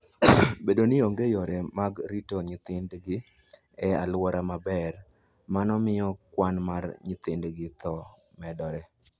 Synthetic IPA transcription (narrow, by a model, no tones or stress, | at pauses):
bedonɪoŋɡejoɾemaɡɾitoɲɪt̪ɪndɡɪ | ɛa̰lwɔɾamabɛr | manɔmɪjɔkwanmarɲɪt̪ɪndɡɪt̪ɔ | mɛdɔɾɛ